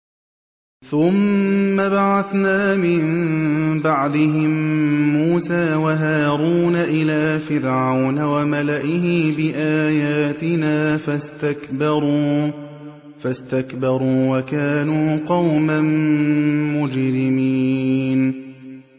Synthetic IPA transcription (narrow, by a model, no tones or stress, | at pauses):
θʊmːabaʕaθnaːmɪnbɑʕd̪ˤɪɦɪmːuːsaːwaɦaːɾuːnaʔɪlaːfɪɾʕawnawamalaʔɪhɪbɪʔaːjaːt̪ɪnaːfast̪akbɑɾ | fast̪akbɑɾˤuːwakaːnuːqɑwman | mʊd͡ʒɾɪmiːn